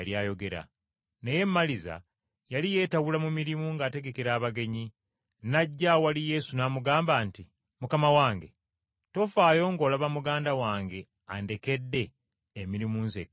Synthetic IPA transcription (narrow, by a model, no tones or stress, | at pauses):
ljaːjo̞ɡe̞ɾa̰ | ne̞je̞mːaliza̰ | jalije̞ːtawulamumiɾimuŋɡaːte̞ɡe̞keɾaːβaɡe̞ɲi | naɟːawalije̞ːsunaːmuɡaːmbaːnti | mukamawaːŋɡe̞ | to̞faːjo̞ŋɡo̞ːlaβamuɡaːndawaːŋɡe̞ | a̰nde̞ke̞dːe̞ː | miɾimuːnzḛk